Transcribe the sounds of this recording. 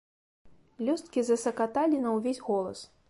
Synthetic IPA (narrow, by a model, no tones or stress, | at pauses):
lʲɔst̪̚kʲizɐsɐkat̪alʲinɐwvʲesʲɣɔlˠɐ̰s